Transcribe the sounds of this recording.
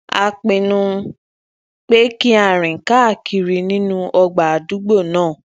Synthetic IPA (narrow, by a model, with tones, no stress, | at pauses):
a˧k͡pĩ˧nũ˧ | k͡pe˦ki˦a˦˨ɾ̃ĩ˨ka˦˨kʰi˧ɾi˧nĩ˦nũ˦ʔɔ˧ɡ͡ba˨a˨du˨˦ɡ͡bo˦˨nãː˦˨